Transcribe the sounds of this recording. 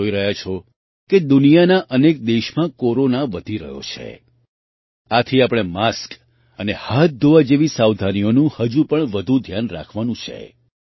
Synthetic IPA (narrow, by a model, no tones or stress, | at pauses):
oiɾəɦjat͡ʃʰɔ | ked̪ʊnijanaʔənek̚d̪eʃmãkoɾonaʋəd̪ʱiɾə̰ɦjo̰t͡ʃʰḛ | at̪ʰiapɽ̃emask | ənehat̪̚d̪ʱoʋad͡ʒeʋisaʋd̪ʱanijonũhəd͡ʒũpəɳʋəd̪ʱũd̪ʱjanɾa̰kʰʋanũt͡ʃʰḛ